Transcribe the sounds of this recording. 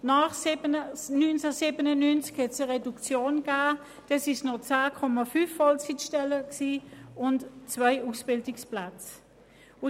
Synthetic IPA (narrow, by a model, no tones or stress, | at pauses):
naːχsbənynt͡səsiːbənənynt͡skhɛtsəʁedukt͡sjoːnɡ̥aː | d̥ɛsɪʃnɔt͡saːkʰɔmafyfːɔlt͡sitʃtɛləksiːʊntt͡svaɪuːsb̥ɪldɪksplat͡s | ʊ